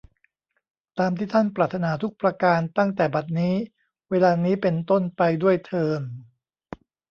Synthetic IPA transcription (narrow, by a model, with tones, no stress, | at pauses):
t̪aː˧mt̪ʰiː˥˩t̪ʰa˥˩npɾaː˨˩t̪ʰːa˧naː˩˦t̪ʰu˦˥k̚pɾa˧kaː˧nt̪a˥˩ŋt̪ɛː˨˩ba˨˩t̪̚niː˦˥ | weː˧laː˧niː˦˥pe˧nt̪o˥˩npa˧jdu˥˩əjt̪ʰɤː˧m